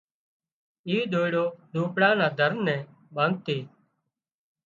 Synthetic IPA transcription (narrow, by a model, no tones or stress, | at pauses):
iːɗ̪oːɪɽoːɗuːpɽãːnãːd̪ʱəɾnɛ̃ː | ɓãːŋɡ̚t̪iː